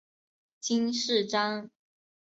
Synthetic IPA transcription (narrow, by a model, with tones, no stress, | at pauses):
t͡ɕi˥nʂɻ̩˥˨ʈ͡ʂɑ˥ŋ